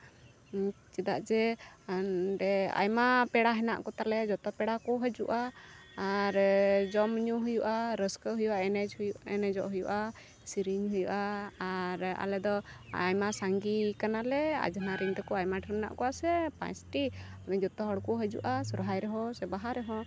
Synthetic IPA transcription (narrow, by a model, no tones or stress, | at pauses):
t͡ʃid̪aʔd͡ʒɛ | ɖɛa̰jmapɛɽaɦɛna̰ʔkɔt̪aɾlɛad͡ʒɔt̪ɔpɛɽakɔɦəd͡ʒṵʔaː | ɾd͡ʒɔmɲuɦujuʔaɾəskəɦujuʔaɛnɛd͡ʒɛnɛd͡ʒɔ̰ʔɦujuʔa | siɾiɲɦujuʔaː | ɾa̰lɛd̪ɔajmasaŋɡikanalɛa̰d͡ʒanaɾiŋd̪ɔkɔajmaʈʰiɾmna̰ʔkɔwasɛpã̰jsʈinɛd͡ʒɔt̪ɔɦɔɽkuɦəd͡ʒṵʔasɔɾɦajɾɛɦɔsɛbaɦaɾɛɦɔ̃